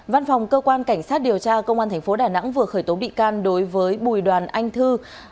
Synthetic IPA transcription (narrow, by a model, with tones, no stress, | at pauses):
va˧nfa˨˩wŋ͡mkəː˧kwaː˧nka˧˩jŋ̟saː˦˥t̚ɗi˨˩əwt͡ɕaː˧kə˧wŋ͡maː˧nt̪ʰɛ˨˩ŋ̟fo˨˦ɗaː˧˩na̰˧˥ŋvɨ˨˩əxəː˧˩jt̪o˨˦ɓḭ˧˨kaː˧nɗo˨˦jvəː˨˦jɓu˨˩jɗwaː˨˩nʔa˧jŋ̟t̪ʰɨ˧